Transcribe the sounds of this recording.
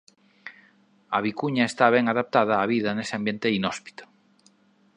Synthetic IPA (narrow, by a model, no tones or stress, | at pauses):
aβ̞ikuɲaest̪aβ̞ɛŋaðap̚t̪að̞aːβ̞iðanesɪambjent̪einɔspi̥t̪o̥